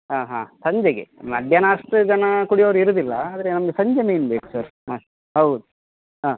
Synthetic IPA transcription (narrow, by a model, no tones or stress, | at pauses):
ɦaːɦaːsɐɲd͡ʒeɡemɐd̪ʱjɐnɐɐʂʈud͡ʒɐnɐkuɽijoʋɐɾuiɾud̪ilːɐaːd̪ɐɾe̞nɐmɐɡesɐɲd͡ʒɐmeinbeːku̥sɐɾɦaː | ɦɐwd̪u | ɦaː